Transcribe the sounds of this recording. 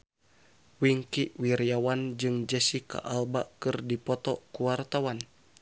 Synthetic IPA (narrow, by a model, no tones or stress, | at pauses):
wiŋkiʔwiɾiawand͡ʒɨŋd͡ʒəsika̰ʔalbaʔkɨrdipɔt̪ɔkuwart̪awan